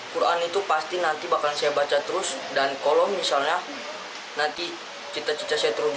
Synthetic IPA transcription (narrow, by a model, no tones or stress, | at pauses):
kuɾʔa̰nit̪upast̪inant̪ibakansajabat͡ʃat̪əɾʊsdankolɔmisalɲa | nant̪i | t͡ʃit̪at͡ʃi̥t̪asajat̪əɾu